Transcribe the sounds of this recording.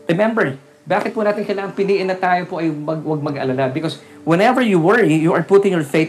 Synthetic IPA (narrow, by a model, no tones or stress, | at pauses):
ɹɛmɛ̃mbɛɹ | baːkɪt̪̚pʊnaːt̪ɪnkɐjlaːŋɐŋpɪliːʔɪnːɐt̪aːjopoʔɐjmɐɡwɐɡ̚mɐɡɐ̰lalabɪkos | wɛnɛvɛɹjuwɛɹijuʔɐɹpʊt̪ɪ̃ŋjɔɹfet̪